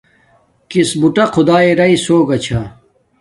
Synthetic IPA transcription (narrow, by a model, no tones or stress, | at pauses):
kisbuʈɐqʰud̪aːiɾɐisoːɡɐt͡ɕʰa